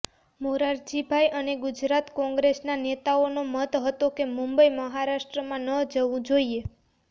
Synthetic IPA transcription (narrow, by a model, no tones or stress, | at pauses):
moɾaɾd͡ʒibʱajʔəneɡʊd͡ʒɾat̪kɔ̃ŋɡɾesnanet̪aonomət̪ɦət̪okemũmbəiməɦaɾaʃʈɾəmãnəd͡ʒəʋũd͡ʒoie